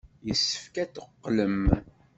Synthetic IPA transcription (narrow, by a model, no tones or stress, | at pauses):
jəsːə̥fkæθəqːləm